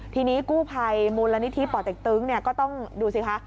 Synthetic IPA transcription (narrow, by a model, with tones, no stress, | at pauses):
t̪ʰiː˧niː˦˥kuː˥˩pʰa˧jmuː˧la˧ni˦˥t̪ʰi˦˥pɔː˨˩t̪̚de˨˩k̚t̪ɯː˦˥ŋni˥˩ɐkɔː˥˩t̪ɔ˥˩ŋduː˧si˧˩kʰa˦˥ʔ